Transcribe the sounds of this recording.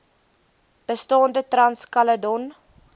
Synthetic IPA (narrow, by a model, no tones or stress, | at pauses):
b̥əstɑːndətrɐnskɐlədɔn